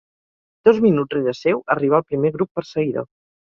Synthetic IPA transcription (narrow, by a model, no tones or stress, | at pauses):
d̪̥ozminutreðəsɛwəriβ̞alˠpɾimeɣɾupːəɾsəɣiðo̰